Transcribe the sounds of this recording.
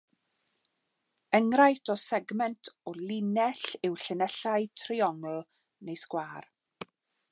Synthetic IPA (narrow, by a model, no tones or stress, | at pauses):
əŋrajtʰɔsɛɡmɛntʰɔlɪnɛɬɪwɬənɛɬaɨtʰriɔŋlˠ | nejskwaːr